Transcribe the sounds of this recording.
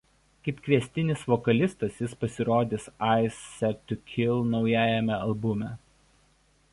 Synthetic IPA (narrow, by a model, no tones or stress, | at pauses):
kɐɪpkʋʲiɛsʲt̪ʲɪnʲɪsʋɔkɐlʲɪst̪ɐsjɪspɐsʲɪɾoːd̪ʲɪːsɑˑɪsːʲɛt̪ʲːʊkʲʰɪlˠnɒʊjæːjɛmʲɛɐlˠbʊmʲɛ